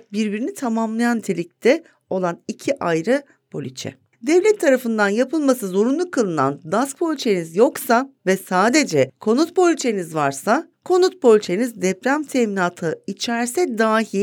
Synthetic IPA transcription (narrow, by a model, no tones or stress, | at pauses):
biɾbiɾinit̪ʰamamlˠajant̪ʰelʲic̚t̪ʰɛ | o̞lˠanicʰiʔajɾɯ | pʰo̞lʲit͡ʃʰɛ̰ | d̪ɛvlʲɛt̪ʰːaɾafɯnd̪anjapʰɯlˠmasɯzo̞ɾunlˠukʰalˠɯna̰nd̪ask̚pʰo̞lʲit͡ʃʰenizjo̞ksavɛsaːd̪e̞d͡ʒɛkʰo̞nut̪̚bo̞lʲit͡ʃʰenizvaɾsakʰo̞nut̪̚bo̞lʲit͡ʃʰenizd̪ɛpɾæmt̪ʰeːminaːt̪ʰɯit͡ʃʰæɾsɛd̪aːɦi